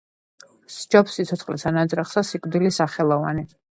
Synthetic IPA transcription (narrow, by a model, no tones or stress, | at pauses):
sd͡ʒɔpsːit̪sʰɔt̪sʰχlɛsanad̪zʼɾaχsasikʼvd̪ilisaχɛlˠɔva̰ni